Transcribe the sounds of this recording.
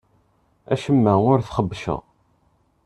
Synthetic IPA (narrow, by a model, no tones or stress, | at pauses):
æʃəmːæʊɾθχəbːʃə̰ʁ